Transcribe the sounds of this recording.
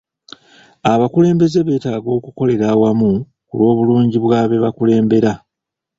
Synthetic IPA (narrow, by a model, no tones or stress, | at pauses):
aβakule̞ːmbe̞ze̞βe̞ːtaːɡo̞ːkuko̞le̞ɾaːwamu | kṵlo̞ːβuluːɲɟiβwaːβe̞βakule̞ːmbe̞ɾa